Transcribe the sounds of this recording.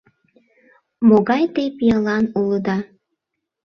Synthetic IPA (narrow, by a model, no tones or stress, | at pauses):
moɣɑjt̪epijəlɑnuləd̪ɑ